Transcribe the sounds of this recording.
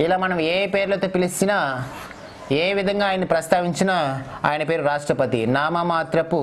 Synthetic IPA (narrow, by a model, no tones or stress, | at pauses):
ilaːmɐnɐmeːpe̞ːɾulɐt̪o̞ːpilisinaː | eːʋid̪ʱɐŋɡaːjɐnːipɾɐst̪aːʋiɲt͡ʃinaa̰ːjɐnɐpeːɾuɾaːʂʈɾɐpɐt̪ḭnaːmɐmaːt̪ɾɐpːu